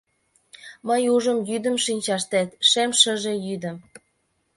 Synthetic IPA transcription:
məjuʒəmjyd̪ə̆mʃinʲt͡ɕɑʃt̪æt̪ʃemʃə̆ʒejyd̪ə̆m

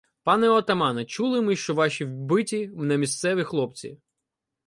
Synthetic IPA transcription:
pɑnɛɔt̪ɐmɑnɐt͡ʃulˠɪmɪʃt͡ʃɔʋɑʃʲiwbɪtʲiwnɐmʲist̪sɛʋʲixlˠɔp̚t͡sʲḭ

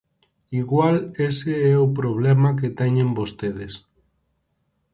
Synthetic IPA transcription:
iɣwaleseɛopɾoβ̞lemak̬et̪ɛɲẽmbost̪eð̞es

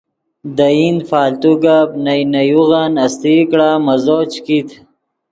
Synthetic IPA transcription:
d̪aind̪faːlt̪uɡabnajnɐjuɣanɐst̪ikɽamɐzoːt͡ʃkit̪

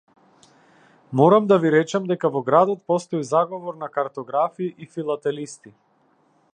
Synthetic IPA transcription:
mɔɾamd̪aviɾɛt͡ʃɛmd̪ɛkavɔɡɾad̪ɔt̪pɔst̪ɔizaɡɔvɔɾnakaɾt̪ɔɡɾafiːʔifilˠat̪ɛlist̪i

